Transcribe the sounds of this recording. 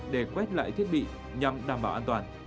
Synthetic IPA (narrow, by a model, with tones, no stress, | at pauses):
ɗe˧˩kwɛ˦˥t̚la̰ː˧˨jt̪ʰi˦˥ət̚ɓḭ˧˨ | ɲa˨˩mɗaː˨˩mɓaː˨˩wʔaː˧nt̪waː˨˩n